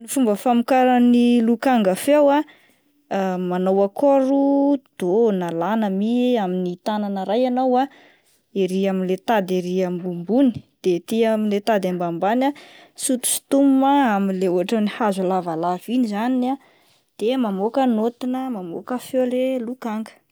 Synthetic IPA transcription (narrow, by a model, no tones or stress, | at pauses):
nifumbəfamikaɾənilukaŋɡəfewa | manowakoɾud̪̥onalanəmieaminit̪ananəɾajanawa | eɾiaminlet̪ad̪eɾiambumbuni̥d̪̥et̪iaminlet̪ad̪ambambana | sut̪u̥si̥t̪umumaaminleoɦaʈ͡ʂənihazulavalavinizanina | d̪̥emamokənot̪inəmamo̰kəfewlelukaŋɡə̥